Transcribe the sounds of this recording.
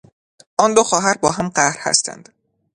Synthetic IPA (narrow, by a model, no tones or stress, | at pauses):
ʔɒːnd̪oxɒːɦæɾbɒːɦæmɢæhɾhæ̰st̪ʰæ̰nd̪̥